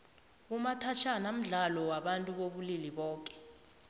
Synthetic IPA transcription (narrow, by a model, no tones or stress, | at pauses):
umatʰat͡ʃʰanam̩ɮalɔwaɓantʼuɓoɓuliliɓɔːkʼɛ̥